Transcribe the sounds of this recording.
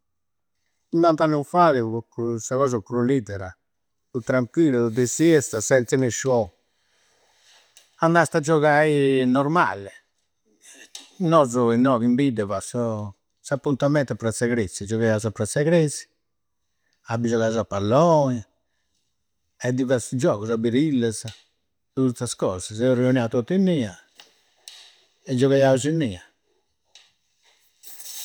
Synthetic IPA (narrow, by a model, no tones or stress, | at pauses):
nant̪anːufaðikusaɣɔz̬akɾulit̪ɛɾa | ut̪ɾaŋkwiluud̪ɛsiɛst̪asɛnt̪sinɛʃɔ | anːast̪ad͡ʒɔɣainɔɾma̰lɛ | nɔzɔinːɔːvimbid̪ɛβasɔ | sapːunt̪amɛnt̪apɾasɛɣɾesːid͡ʒɔɣajazapɾasɛɣɾesi̥ | abːid͡ʒɔɣazapːalːɔn | ɛd̪ivasud͡ʒɔːɣusabiɾilːaza | t̪ut̪ːaskɔːzasɛuriunjaut̪ot̪ːinːiːa | ɛd͡ʒɔɣajauzuinːiːa